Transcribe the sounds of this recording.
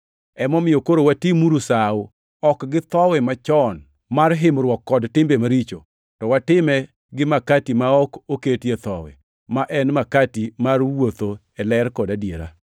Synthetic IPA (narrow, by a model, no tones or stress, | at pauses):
ɛmɔmɪjokoɾowatimuɾusaʊ | ɔkɡɪt̪ɔwɛmat͡ʃɔn | marɦɪmɾwɔkːɔdtɪmbemaɾit͡ʃo | tɔwatɪmɛ | ɡɪmakatimaɔkoketjet̪ɔ̰wɛ̰ | maʔɛnmakatimarwot̪o | ɛlɛrkɔdadjeɾa̰